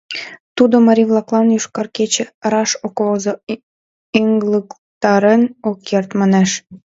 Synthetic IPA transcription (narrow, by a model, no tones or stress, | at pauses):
t̪ud̪omɑɾʲiβlˠɑklˠɑnjyʃkɑrket͡ɕĕɾɑʃokβozo | iŋɡlək | t̪ɑɾenokːert̪mɑneʃ